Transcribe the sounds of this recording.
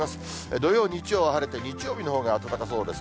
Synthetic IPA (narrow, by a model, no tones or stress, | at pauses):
masɨ̥ | ed̪o̞jo̞ːɲ̟iit͡ɕijo̞ːβaɦaɾet̪e̞ɲ̟it͡ɕijo̞ːbʲino̞ɦo̞ːɡaːt̪at̪akas̬o̞ːd̪e̞s